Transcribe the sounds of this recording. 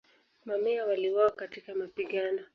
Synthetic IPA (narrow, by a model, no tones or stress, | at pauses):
mamɛawaliwawakatikamapiɠanɔ